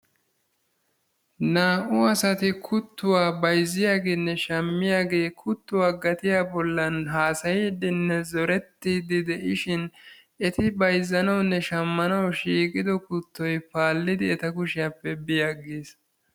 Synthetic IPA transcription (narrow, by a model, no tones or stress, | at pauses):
naːʔʊɐsɐt̪ɪkʰʊt̪ːʊwaːbɐjzːɪjaːɡeːnːɛʃɐmːɪjaːɡe̞ːkʰʊt̪ːʊwaːɡɐt̪ɪjaːbɔlːɐnɦaːsɐjɛd̪ɪnːɛzɔɾɛt̪ːiːd̪ɪd̪ɛʔɪʃɪn | ɛt̪ɪbɐjzːɐnɐwnːɛʃɐmːɐnɐwʃiːkʼɪd̪ɔkʊt̪ːɔjpaːlːɪd̪ɪɛt̪ɐkʊʃɪjapːɛbɪjɐɡeːs